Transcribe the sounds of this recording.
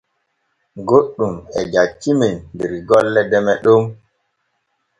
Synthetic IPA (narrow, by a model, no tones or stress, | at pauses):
ɡoɗːumɛd͡ʒat͡ʃːimenmbiɾiɡɔlːɛdɛmɛɗom